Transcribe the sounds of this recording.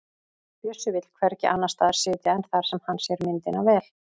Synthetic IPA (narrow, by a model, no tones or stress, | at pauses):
pjœsʏvɪt̪lkʰvɛɾɛcːɪ̰ʔanːast̪aːðaɾ̥sɪːt̪jaɛnθaɾ̥sɛmhanːsjɛɾmɪnt̪ɪnavɛːl